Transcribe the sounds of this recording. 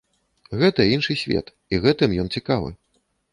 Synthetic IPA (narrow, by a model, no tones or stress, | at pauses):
ɣɛt̪ɐinʂɨsʲvʲɛ̰t̪ | iɣɛt̪ɨmjɔnt͡sʲikavɨ̰